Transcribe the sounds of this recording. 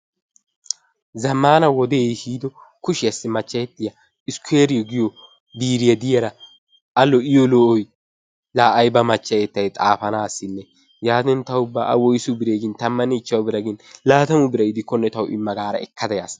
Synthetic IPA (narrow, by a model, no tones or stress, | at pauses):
zɐmːaːnɐwɔd̪eːjhiːd̪ɔkʊʃɪjɐsːɪmɐt͡ʃːɐjɛt̪ːɪjɐ | ɪskʊeːɾɪjɔɡɪjɔ | biːɾɪjɐd̪ɪjɐɾɐ | ɐlːɔɪjɔlɔʔɔj | laːʔɐjbɐmɐt͡ʃːɐjɛt̪ːɐjt̪ʼaːfɐnaːsːɪnːɛ | jaːd̪ɛnt̪ɐwʊbːa̰ːʔɐ̰wɔjɪsʊbɪɾeːɡɪnt̪ɐmːɐnit͡ʃːɐwʊbɪɾɐɡɪnlaːt̪ɐmʊbɪɾɐjɪd̪ɪkːɔnːɛt̪ɐwʊʔɪ̰mːɐɡaːɾɐ̰ɛkːɐd̪ɐjas